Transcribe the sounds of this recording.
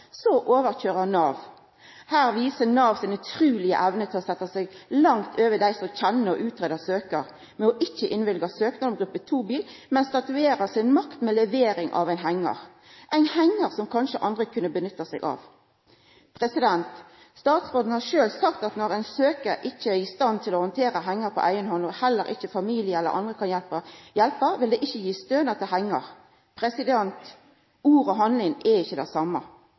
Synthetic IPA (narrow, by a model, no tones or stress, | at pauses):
sɔʔoːʋəɾçøːʁənɑːʋ | hæːʁʋiːsənɑːʋsɪnʉt̪ʰʁʉːlɪə̰ʔæʋnət̪ʰɪlɔsɛt̪ːɑsɛɡlɑŋt̪ʰøːʋədæɪsɔc͡çɛnːəɔ̰ʔʉːt̪ʰʁeːd̪ɑsøːkəɾ | mɛɔʔɪçːəʔɪnʋɪlɡɑsøːknɑd̪ɔmɡʁʉpːət̪ʰuːbiːlmɛnst̪ɑt̪ʉeːʁəsɪnmɑkt̪mɛlɛʋeːɾɪŋʔɑ̰ʋæɪnɦæŋːɑ̰ʁ | ʔæɪnhæŋːəʁsɔmkʰɑnʃəʔɑnd̪ʁəkʰʉnːəbənʏt̪ːɑsɛ̰ɡɑ̰ʋ | pʰʁɛsɪd̪ɛnt̪ | st̪ɑːt̪sʁoːd̪n̩hɑɾʃøːlsɑkt̪ɑt̪nɔɾæɪnsøːkəʔɪçːəæɪst̪ɑnt̪ʰɪlɔhɔnt̪ʰeːɾəɦæŋːɑɾpʰɔ̰ʔæɪənhɔnɔhɛlːəɾɪ̰çəfɑmiːlɪəɛlə̰ɾʔɑ̰nd̪ʁəkʰɑnjɛlpəjɛlpəʋɪld̪ɛʔɪçːəjiːst̪øːnɑt̪ɪlɦæŋːəʁ | pʰʁɛsɪd̪ɛnt̪ | uːɾɔɦɑnlɪnʔɛɪçːəd̪æɪsɑmːɑ